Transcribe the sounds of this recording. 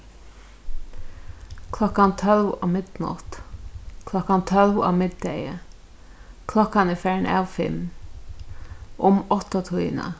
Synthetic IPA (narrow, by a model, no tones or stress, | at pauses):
kʰlɔkant̪ʰœlva̰wmɪd̪nɔ̰t̪kʰlɔkant̪ʰœlva̰wmɪd̪d̪ɛjə | kʰlɔkːanɪfɛːɹna̰ːwfɪ̰m | ʊmɔht̪ɔt̪ʰujna̰